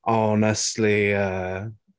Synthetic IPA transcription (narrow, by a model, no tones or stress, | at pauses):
ʔɔnəstˡliʌ